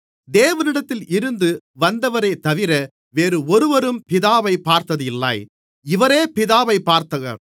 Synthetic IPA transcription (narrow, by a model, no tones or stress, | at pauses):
d̪eːʋɐnɪɽɐt̪ːɪlʔɪɾɯnd̪ɯʋɐnd̪ɐʋɐɾɐɪt̪ːɐʋɪɾɐ | ʋeːɾɯɔɾɯʋɐɾɯmpɪðaːʋɐɪpaːɾt̪ɐðɯɪlːa̰ːj | ɪʋɐɾeːpɪðaːʋɐɪpːaːɾt̪ɐɣɐ̰